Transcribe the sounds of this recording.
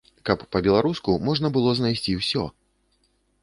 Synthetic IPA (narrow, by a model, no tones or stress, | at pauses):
kɐpːɐbʲɛlˠaɾuskumɔʐnɐbɨlˠɔznajsʲt͡sʲiwsʲɔ̰